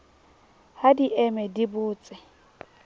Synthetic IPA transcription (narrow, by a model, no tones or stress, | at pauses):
hadiʔɛmɛdibʊːt͡sʼɪ